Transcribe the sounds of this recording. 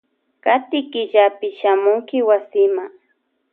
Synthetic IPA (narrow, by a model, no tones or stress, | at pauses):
kat̪ɪkɪʎapɪʃamʊŋkɪwasɪmaŋ